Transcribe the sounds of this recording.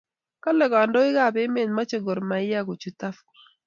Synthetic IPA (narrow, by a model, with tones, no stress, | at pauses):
ka˦lɛ˨ɡɔ˨a˨ndɔ˦ɪ˦ɡa˦˨be˦me˨nma˦t͡ʃo˨ɡo˨ɾma˨ɪ˦ja˦˨ɡo˨t͡ʃu˨ta˦f